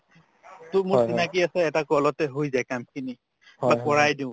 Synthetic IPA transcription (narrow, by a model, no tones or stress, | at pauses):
tʊmusinakiasɛːtakɔlɔtɛɦojzajkamkʰini | bapɔɹajdĩʊ̃